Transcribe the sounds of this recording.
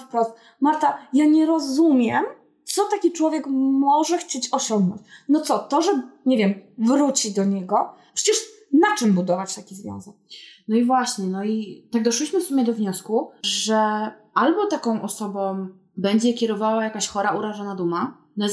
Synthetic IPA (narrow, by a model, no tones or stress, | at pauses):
fpɾɔst̪̚ | maɾt̪ajaɲɛɾɔzumʲjɛm | t̪sɔt̪akʲit͡ʂwɔvʲjɛkmɔʐɛxt͡ɕet͡ɕɔɕɔŋɡnɔ̰̃ɲt͡ɕnɔt̪sɔt̪ɔʐɛɲevʲjɛmvɾut͡ɕid̪ɔɲɛɡɔpʂɛ̥t͡ɕɛʂ | nat͡ʂɘmbud̪ɔvat͡ɕt̪akʲizvʲjɔ̰̃w̃zɛk̚nɔivwaɕɲɛnɔit̪aɡ̚d̪ɔʂwiɕmɘfsumʲjɛd̪ɔvɲɔskuʐɛ | ʔalbɔt̪akɔ̃w̃ʔɔsɔbɔ̃ | bɛɲd͡ʑɛkʲɛɾɔvawajakaɕxɔɾauɾaʐɔnad̪uma | nɔ